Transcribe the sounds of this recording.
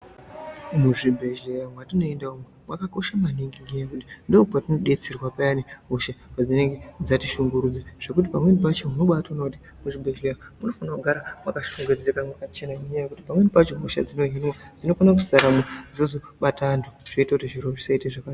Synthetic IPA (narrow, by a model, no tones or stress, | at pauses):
muʐibʱe̞ʒejamwatino̞endaumwemwakako̞ʃamaniŋɡiŋɡejakuti̥ndoupatino̞ɗe̞t͡sirwapajaneuʃakad͡zine̞ŋɡe̞d͡zatiʃuŋɡuɾud͡zeʐ̥e̞kut̬ipamwe̞nipat͡ʃemuno̞ɓatonakuti | muʐibʱe̞ʒejamuno̞fanakuɡʱaɾamwakaʃoɡed͡zekamwakat͡ʃenameɲajakuti̥pamwe̞nipat͡ʃiɦuʃa̰d͡zino̞ɦinwad͡zino̞fanak̬usaɾamod͡zozoɓatantʰuʐ̥oitakutiʐiɾoʐisaiteʐaka